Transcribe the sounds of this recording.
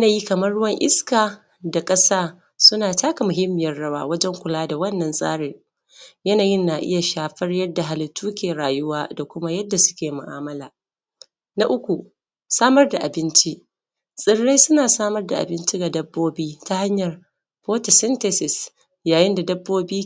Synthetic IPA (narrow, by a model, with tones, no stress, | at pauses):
jɐ˦naː˨ji˦kɐ˨mɐ˦rɽʊ˦wɐ˦ŋʔɪ̰˦skaː˨ | da˨kʼɐ˦saː˦ | sʊ˦naː˨taː˦ka˨mʊ˨ɦɪ˦mːɪ˨jɐ˦rːɐ˦wa̰ː˦wɐ˦d͡ʒɛ˦ŋkʷʊ˨laː˦da˨wɐ˦nːɐ˨nsʼa̰ː˦ɽeː˨ | jɐ˦naː˨jɪ˦nːa˨ʔɪ̰˦ja˨ʃaː˨ɸɐ˦rjɐ˦dːa˨ɦa˨lɪ˨tʰːuː˦kʲeː˨ɽaː˨jʊ˦waː˦da˨kʷʊ˦ma˦jɐ˦dːa˨sʊ̥˦kʲeː˨mʊ̰˨ʔa̰ː˦mɐ˦laː˨ | na̰˦ʔʊ˦kʷu˨ | saː˦mɐ˦rda˨ʔa˨bɪ˦nt͡ʃi˦ʔ | sʼɪ˦ɽːa˦jsʊ˦naː˨saː˦mɐ˦rda˨ʔa̰˨bɪ˦nt͡ʃi˦ɡa˨dɐ˦bːoː˦biː˦ta˦ha˦ɲjɐ˨r | poː˦ta˨sɛ˦nte˨sɪ˨s | jaː˨jɪ˦nda˨dɐ˦bːoː˦biː˦